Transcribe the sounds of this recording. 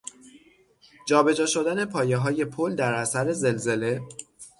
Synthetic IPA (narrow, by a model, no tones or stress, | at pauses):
d͡ʒɒːbe̞d͡ʒɒːʃo̞d̪æne̞pʰɒːje̞ɦɒːje̞pʰold̪æɾʔæsæɾe̞ze̞lze̞le̞